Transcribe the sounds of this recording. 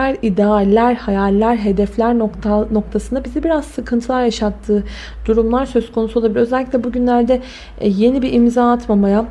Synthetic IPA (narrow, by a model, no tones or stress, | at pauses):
æɾid̪ɛalʲːæɾhajalʲːæɾɦe̞d̪ɛflʲæɾnkno̞k̚t̪ʰasɯnd̪abizɛbiɾazsɯkʰɯnt̪ʰɯlˠaɾjaʃat̪ʰːɯː | d̪̥uɾumlˠaɾsø̞zkʰo̞nusuoabilʲiøzɛlʲːiclʲɛbuɟynlʲæɾd̪ɛ | je̞nibiimzaːat̪mamaja